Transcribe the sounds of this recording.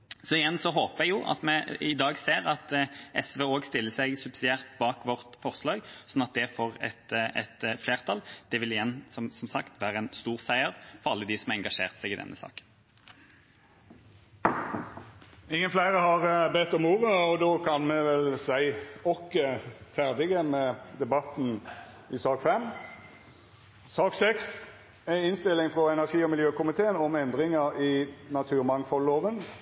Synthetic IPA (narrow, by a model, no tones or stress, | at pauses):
sɔɪjɛnsɔɦoːpəɛɡjʊːʔɑ̰t̪mɛɪd̪ɑːɡseːʁɑt̪ʔɛsʋeːoːɡst̪ɪlːəsæɪɡsʉb̥sɪd̪ɪæːʁt̪bɑːkʋɔʁt̪fɔʁslɑːɡsɔnːɑt̪̚d̪ɛfoːʁɛ̰t̪ʔɛ̰t̪fleːʁt̪ʰɑld̪̥ɛʋɪlɪjɛnːsɔsɔmsɑkt̪ʋæːʁəɛnst̪uːʁsæɪəʁfɔʁɑlːəd̪ɪsɔmɑʁɛŋɡɑʂeːʁt̪sæɡɪd̪ɛ̰nʔə̰sɑ̰ːkə̥n | ɪŋːənflæɪʁəhɑʁbɛt̪ːɔmuːʁəɔd̪oːkʰɑnmɛʋɛlsæɪɔkːəfæʁd̪ɪɡəmɛːd̪ɛbɑt̪n̩ | ɪsɑːkfɛm | sɑːksɛks | æɪnst̪ɪlːɪŋfʁɔɛnæʁʂiːɔmɪljøːkʊmɪt̪ʰeːənɔmɛnd̪ʁɪŋəʁiːnɑt̪ʰʉːʁmɑŋfɔlːoːʋən